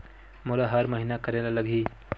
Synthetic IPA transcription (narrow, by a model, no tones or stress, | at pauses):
molaɦəɾməɦinakəɾelaləɡʱi